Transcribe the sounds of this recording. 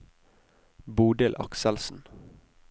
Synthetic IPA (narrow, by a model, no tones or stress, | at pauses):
buːɖ̪ɪlʔɑ̰ksɛlsn̩